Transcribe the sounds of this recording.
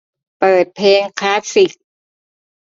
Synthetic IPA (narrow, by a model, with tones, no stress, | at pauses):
pɤː˨˩t̪̚pʰeː˧ŋkʰaː˦˥t̪̚si˨˩k̚